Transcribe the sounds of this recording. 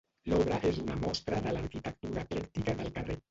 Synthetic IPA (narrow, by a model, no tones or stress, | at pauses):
lɔβɾaʔezunamɔst̪ɾaðəlaɾkit̪ək̚t̪uɾaklɛkt̪ikaðəlkare